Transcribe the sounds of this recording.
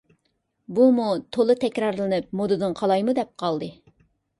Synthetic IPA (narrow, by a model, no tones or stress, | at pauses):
bumut̪ʰolˠɨt̪ʰɛkʲɾɑɾlˠɨnɨp̚mod̪ɨd̪ɨnqʰɑlˠɑjmud̪ɛp̚qʰɑlˠd̪ɨ